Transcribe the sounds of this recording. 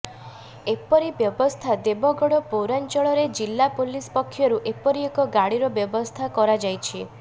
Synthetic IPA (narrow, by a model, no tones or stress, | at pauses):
epɔɾibjɔbɔst̪ʰad̪ebɔɡɔɽɔpowɾant͡ʃɔɭɔɾed͡ʒilːapolispɔkʰːjɔɾuʔepɔɾiekɔɡaɽiɾɔbjɔbɔst̪ʰakɔɾad͡ʒajt͡ʃʰi